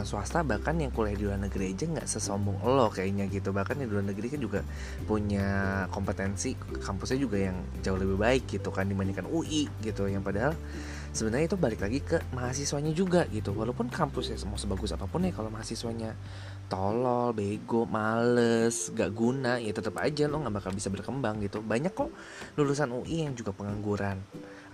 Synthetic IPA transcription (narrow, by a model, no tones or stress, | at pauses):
ansuast̪abahkanjaŋkulajadiduanəɡɾiad͡ʒaŋɡa̰ʔsəsɔmbɔŋʔəlɔkajaɲaɡit̪ubahkanadidulanəɡɾikand͡ʒuɡa | puɲakɔmpət̪ɛnsi | kampʊsɲad͡ʒuɡajaŋ | d͡ʒauləbibaɪk̚ɡit̪ukandimaɲakanuʔiʔɡit̪ujaŋpadaɦal | səbənərɲait̪ubalɪklaɡikəmaɦas̬iswaɲad͡ʒuɡaɡit̪uwaloupʊnkampʊsasəmasəbaɡʊsapapʊnɪhkalomaɦasiswaɲa | t̪olɔlbeɡomaləsɡaʔɡunajat̪ət̪əpa̰d͡ʒalɔŋɡaʔbakalbisabərkəmbaŋɡit̪ubaɲakːɔ | lulus̬anuʔijaŋd͡ʒuɡapəŋaŋɡuɾan